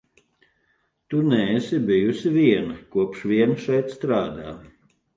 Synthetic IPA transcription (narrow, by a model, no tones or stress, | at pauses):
t̪unɛːsibijusiviɛnɐkuɔpʃviɛnʃɛjt̪st̪ɾaːd̪aː